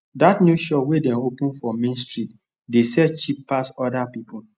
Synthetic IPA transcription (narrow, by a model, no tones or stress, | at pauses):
datnjuʃɔwedɛ̃nopũnfɔmẽnstɹit | desɛt͡ʃippasɔdapipu